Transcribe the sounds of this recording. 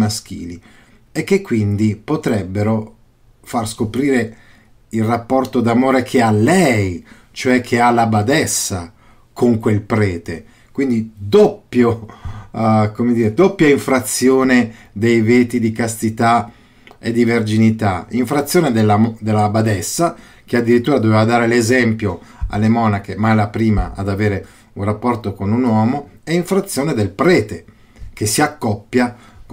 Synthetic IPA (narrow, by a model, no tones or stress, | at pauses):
mask̟ḭːli | ek̟ːekːwind̪ipot̪ɾɛbːeɾo | farskopɾiːɾe | ilrapːɔrt̪od̪amoːɾekʰealːɛj | t͡ʃoɛkʰːealabad̪ɛsːa | kʰoŋkwelpɾɛːt̪e | kwind̪id̪opːjo | komed̪iːɾed̪opːjaiɱfɾat̪sːjoːne | d̪ejveːt̪id̪ikast̪it̪a | ḛd̪iverd͡ʒinit̪aiɱfɾat̪sːjoːned̪elːad̪elːabad̪ɛsːa | kead̪ːiɾit̪ːuːɾad̪oveːvad̪aːɾelezɛmpjo | a̰lːemɔːnak̟emaɛlapɾiːma̰a̰d̪aveːɾe | unrapːɔrt̪okonunwɔːmoɛiɱfɾat̪sːjoːned̪elpɾɛːt̪e | k̟esiakːɔpːja